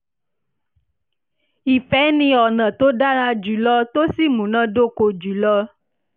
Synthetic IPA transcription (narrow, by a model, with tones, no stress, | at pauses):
i˨fɛ˨˦nĩ˧ɔ˨nã˨t̪o˦ɖa˦nã˧d͡ʒu˨˦lɔ˦t̪o˦si˦˨mũ˨nã˦do˦ko˧d͡ʒu˨˦lɔ˦